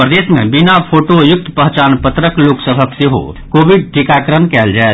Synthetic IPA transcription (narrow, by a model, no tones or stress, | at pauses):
pɾəd̪esmḛbinapʰoʈojʊk̚t̪pəɦt͡ʃanpət̪ɾəkloksəbʱəkseɦo̰kobiɖ̚ʈʰikakɾənkɛld͡ʒaet̪